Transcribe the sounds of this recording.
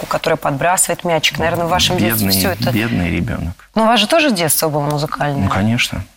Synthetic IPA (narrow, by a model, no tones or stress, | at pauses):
kʊkɐt̪o̞ɾəjəpɐd̪bɾasɨvəjɪt̪mʲæt͡ɕːɪ̥knɐvʲernəvːaʂɨmbʲeesʲoɛt̪əbʲed̪nɨ̰jɾʲɪ̰bʲo̰nəknuvaʐɨt̪o̞ʐɨdʲet̪st̪vəbɨlˠəmʊzɨkʰalʲnəəkɐnʲeʂnə̰